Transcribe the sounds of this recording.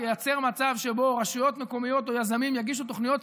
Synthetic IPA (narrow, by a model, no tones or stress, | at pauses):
ejat͡se̞ʁmat͡savʃebo̞ʁaʃujo̞t̪meko̞mijo̞t̪o̞jazamimjaɡiʃ̬ut̪oχnijo̞t̪